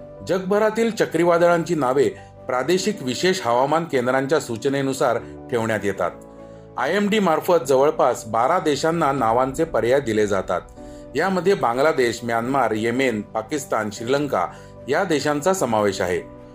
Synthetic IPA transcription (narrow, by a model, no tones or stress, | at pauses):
d͡ʑəɡ̚bʱəɾat̪iːlt͡ɕəkɾiʋad̪ɭãɲt͡ɕiːnaʋe | pɾad̪eɕikʋiɕeɕɦəʋamankend̪ɾãɲt͡ɕjasut͡ɕnenusaɾ | ʈʰeʋɳjat̪jet̪a̰t̪̚ | ajemɖiːmaɾfət̪̚d͡zəʋəɭpasbaɾad̪eɕanːanaʋãnt͡sepəɾjad̪iled͡za̰t̪a̰t̪̚ | jaməd̪ʱːjebãŋɡlad̪eɕmjanmaɾjemenpakist̪anɕɾiləŋka̰ | jad̪eɕãnt͡sasəmaʋeɕa̰ɦḛ